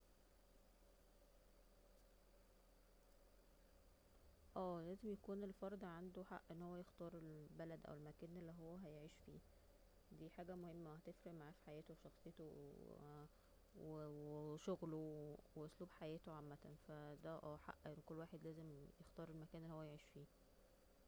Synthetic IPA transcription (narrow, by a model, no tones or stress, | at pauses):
ʔæːlæːzemjækuːnelfɑɾˤd̪ʕand̪oħa̰ʔːʔenːhowːæjext̪ɑːɾˤelbælæd̪ʔæ̰welmækæːnʔelːiɦowːæɦæjeʕiːʃfiː | d̪iːħaːɡæmohemːæwhæt̪efɾeʔmaʕaːfi̥ħajæːt̪owʃɑxsˤejet̪o̰ | wweʃoɣloweʔosˤluːbħajæːt̪oʕamːæt̪æ̰nfæd̪æʔæːħa̰ʔːʔenːkolːwaːħed̪læːzemjext̪ɑːɾˤelmækæːnelːihowːæjeʕiːʃfiː